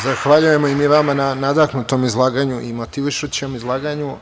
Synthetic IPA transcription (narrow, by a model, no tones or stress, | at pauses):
zaxʋaʎuje̞moimiʋamananad̪aknut̪o̞mizlˠaːɡaɲuʔimo̞t̪iʋiʃut͡ɕemizlˠaːɡaɲu